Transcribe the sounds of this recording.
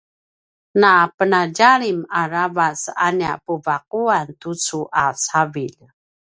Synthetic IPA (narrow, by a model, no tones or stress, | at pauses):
napənaɟaɾimaɾavasa̰nia̰pəvaq̚uant̪ut͡suʔasavil